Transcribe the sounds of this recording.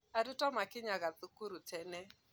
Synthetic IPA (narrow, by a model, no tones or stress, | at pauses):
aɾutɔmakɪɲaɣaθukuɾutɛnɛ